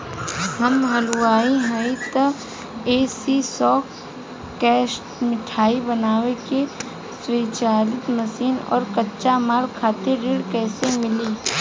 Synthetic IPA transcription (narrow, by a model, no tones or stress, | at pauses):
ɦɐmɦɐluaːiɦɛt̪ə | eːsisɔːk | kɛːsʈmɪʈʰaːibənaːweke | swiːt͡ʃaːlɪt̪məsiːnɔ̰ːɾkətːʃamaːɾkʰːaːt̪eɾeːɽkɛːsemɪliː